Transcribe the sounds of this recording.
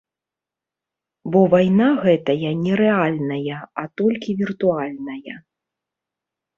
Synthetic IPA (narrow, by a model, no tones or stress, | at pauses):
bɔvajnaɣɛt̪ɐjɐnʲɛɾɛalʲnɐjɐat̪ɔlʲkʲivʲirt̪ualʲnɐjɐ